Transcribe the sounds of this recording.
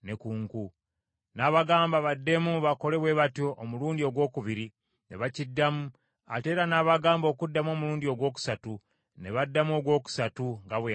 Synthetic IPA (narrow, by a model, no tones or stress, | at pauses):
ne̞kuŋku | naːβaɡaːmbaβadːe̞muβako̞le̞βwe̞βatjo̞ʔːmuluːndio̞ɡwo̞ːkuβiɾi | ne̞̰βacidːamu | a̰te̞ɾanaːβaɡaːmbo̞ːkudːamo̞ːmuɾuːndio̞ɡwo̞ːk̬u̥satu | ne̞βadːamo̞ɡwo̞ːku̥satuŋɡaβwe